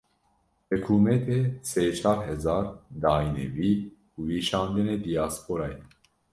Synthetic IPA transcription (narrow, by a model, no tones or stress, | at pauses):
hɛkʰuːmɛt̪ʰeseːt͡ʃʰɑːɾɦɛzɑːɾd̪ɑːinḛviː | uːwiːʃɑːnd̪ɨneːd̪ijɑaːspʰoːɾɑːjɛ